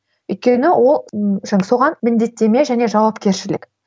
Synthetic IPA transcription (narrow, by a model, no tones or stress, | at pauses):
ʏjt̪̚kʲe̞nɪwʔo̞lˠʒso̞ʁɑnmɪnd̪e̞t̪ːe̞me̞ʒæne̞ʒɑwɑpkʲe̞ɾʃɪlɪ̰k